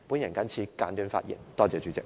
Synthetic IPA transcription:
pu˨˥njɐ˨˩nkɐ˥nt͡sʰiː˧˥kaː˨˥nt̪yː˧˥nfa̰ː˧t̚jɛ̰˨˩˦nt̪ɔː˥˩t͡sɛː˨˧˩t͡ʃy˨˧˥t͡sɛ˧˩k̚

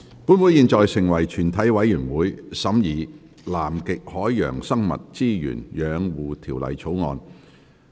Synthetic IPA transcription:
puː˨˥nwuː˨˥jiː˨˧nt͡sɔː˨˧jsɪ˨˩ŋwɐ˨˩jt͡ʃʰyː˨˩nt̪ʰɐ˨˥jwɐ˨˥jːyː˨˩nwuː˨˥jsɐ˨˥mjiː˨˩ | laː˨˩mkɪ˨k̚hɔː˨˥jːœ̰ː˨˩ŋsɐ˥ŋmɐ̰˨t̚t͡siː˥jy̰ː˨˩njœː˨˧ŋwuː˨t̪ʰiː˨˩wlɐ̰˨jt͡sʰo˨˥wŋɔ̰ː˨˧n

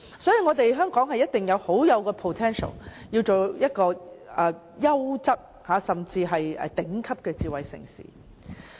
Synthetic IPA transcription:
sɔː˨˥jiː˧ŋɔː˨˧t̪e˨jɦœː˥ŋkɔː˨˥ŋɦɐ˨jɐ˥t̚t̪ɪ˨ŋjɐ˨˧who˨˥wjɐ˨˧wkɛː˧pʰo˨˩t̪ʰɛː˥nʃɐ̰˨˩wjiː˧wt͡so˨wjɐ˥t̚kɔː˧ʔɛ˨˩ | jɐ˥wt͡sɐ˥t̚ | haː˨˥sɐ˨mt͡siː˧ɦɐ˨jɛ̰˨˧t̪ɪ˨˥ŋkʰɐ˥p̚kɛː˧t͡siː˨wɐ˨jsɪ̰˨˩ŋsḭː˨˩

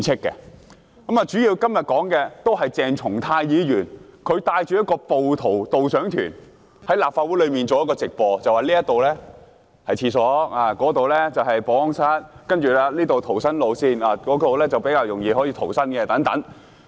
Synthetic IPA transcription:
t͡sʰɪ˥kːɛ̰˧ | kɐ˨˥maː˨˧t͡ʃy˨˥jiː˧wkɐ˥mjɐ˨t̚kɔː˨˥ŋkɛː˧t̪o˥wɦɐ˨jt͡sɛː˨˩ŋt͡ʃʰʊ˨˩ŋt̪ʰaː˧jjiː˨˧jyː˨˩nkʰɵ˨˧ɥt̪aː˧jt͡ʃyː˨jɐ˥t̚kɔː˧po˨wt̪ʰo˨˩wt̪o˨wsœː˨˥ŋt̪ʰy̰ː˨˩n | hɐ˨˥jlaː˨p̚faː˧t̚u˨˥lɵ˨˧miː˨˩nt͡so˨˧jɐ˥kɔː˧t͡sɪ˨k̚pɔː˧t͡sɐ˨waː˨˩liː˥jɐ˥t̪o˨wlɛː˥ | hɐ˨jt͡ɕʰiː˧sɔː˨˥aː˧˩kɔː˨˥t̪o˨wlɛː˥t͡sɐ˨wɦɐ˨jpɔː˨˧ɔ˥ŋsɐ˥t̚kɐ˥nt͡ʃyː˨˩laː˧liː˥t̪o˨wt̪ʰo˨˩wsɐ˥nlo˨˧wsiː˥naː˧kɔː˨˥t̪o˨wlɛː˥t͡sɐ˨wpe˨˥jkaː˧wjʊ˨˩ŋjiː˧ɦɔː˨˥jiː˧t̪ʰo˨˩wsɐ˥nkɛ˧t̪ɐ˨˥ŋt̪ɐ˨˥ŋ

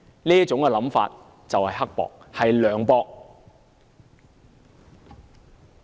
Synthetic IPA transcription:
niː˥jɐ˥t͡sʊ˨˥ŋkɛː˨˧lɐ˨˥mfa̰ː˧t̚ | t͡sɐ˨whɐ˨jɦɐ˥k̚pɔ̰ː˨k̚hɐ˨jlœː˨˧ŋpɔː˧k̚

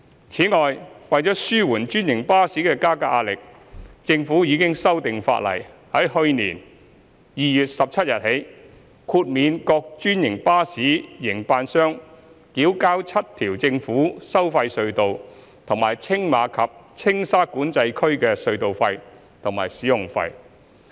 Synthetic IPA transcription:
t͡sʰiː˨˥ŋɔː˨jwɐ˨jt͡ʃɔː˨˥syː˥wuː˨˩nt͡ʃyː˥njɪ˨˩ŋpaː˥siː˨˥kɛː˧kaː˥kaː˧˥ʔaː˧lɪ˨k̚ | t͡sɪ˧ŋfuː˨˥jiː˨˧kɪ˥ŋsɐ˥wt̪ɪ˨ŋfa̰ː˧t̚lɐ̰˨˩jhɐ˨˥jhɵ˧ɥniː˨˩n | jiː˨˧jyː˨t̚sɐ˨p̚t͡sʰɐ˥t̚jɐ˨t̚he˨˥j | kʰuː˧t̚miː˨˧nkɔː˧k̚t͡ʃyː˥njɪ˨˩ŋpaː˥siː˨˥jɪ˨˩ŋpaː˧nsœː˥ŋ | kiː˨˥wkaː˥wt͡sʰɐ˥t̚t̪ʰiː˨˩wt͡sɪ˧ŋfuː˨˥sɐ˥wfɐ˧jsɵ˧ɥt̪o˨w | t̪ʰʊ˨˩ŋmaː˨˩jt͡sʰɪ˥ŋmaː˨˧kʰɐ˨p̚t͡sʰɪ˥ŋsaː˥kuː˨˥nt͡sɐ˧jkʰɵ˥ɥkɛː˧sɵ˧ɥt̪o˨wfɐ˧j | t̪ʰʊ˨˩ŋma̰ː˨˩jsiː˨˥jʊ˨˩ŋfɐ̰˧j

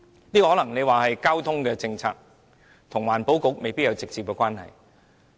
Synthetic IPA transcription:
niː˥kɔ˧ɔ˨˥lɐ˨˩ŋne˨˧jwaː˨˩hɐ˨jkaː˥wt̪ʰʊ˥ŋkɛː˧t͡sɪ˧ŋt͡sʰa̰ː˧k̚ | t̪ʰʊ˨˩ŋwaː˨˩npo˨˥wkʊ˧˥k̚me˨jpi˥t̚jɐ˨˧wt͡sɪ˨k̚t͡si˨p̚kɛː˧kʷwaː˥nhɐ̰˨j

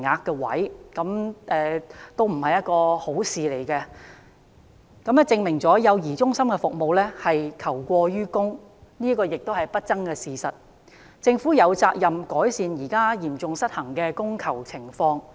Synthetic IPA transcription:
ŋaː˨˧kːɛ˧wɐ̰˨˥jkɐ˨˥mʔɛ˧t̪o˥wm̩˨˩hɐ˨jɐ˥t̚kɔː˧ho˨˥wsiː˨le˨˩jkɛ˧ | kɐ˨˥mɛ˦˥t͡sɪ˧ŋmɪ˨˩ŋt͡sɔː˨˥jɐ˨˧wjiː˨˩t͡sʊ˥ŋsɐ˥mkɛ˧fʊ˨k̚mo˨˧wlɛː˥hɐ˨jkʰɐ˨˩wkʷɔː˧jyː˥kʊ˥ŋniː˥kɔː˧jɪ˨k̚t̪o˥whɐ˨˩jpɐ˥t̚t͡sɐ˥ŋkɛː˧siː˨sɐ˨t̚ | t͡sɪ˧ŋfuː˨˥jɐ˨˧wt͡saː˧k̚jɐ˨mkɔː˨˥jsiː˨˧njiː˨˩kaː˥jiː˨˩mt͡sʊ˨ŋsɐ˥t̚hɐ˨˩ŋkɛː˧kʊ˥ŋkʰɐ˨˩wt͡sʰɪ˨˩ŋfɔː˧ŋ

